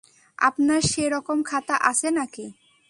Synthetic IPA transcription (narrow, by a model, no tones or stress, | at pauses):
a̰pnaɾʃeɾɔkomkʰat̪aʔaʃʰenaki